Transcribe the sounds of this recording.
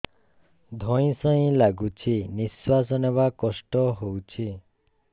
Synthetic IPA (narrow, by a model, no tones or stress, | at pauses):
d̪ʱɔj̃sɔĩlaɡut͡ʃʰiniswasɔneβakɔsʈɔɦowt͡ʃʰi